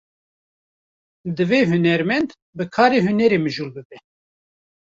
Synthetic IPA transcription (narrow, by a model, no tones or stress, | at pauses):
d̪ɨveːɦunɛɾmɛnd̪ | bɨkʰɑːɾeːɦunɛɾeːmɨʒuːlbɨbɛ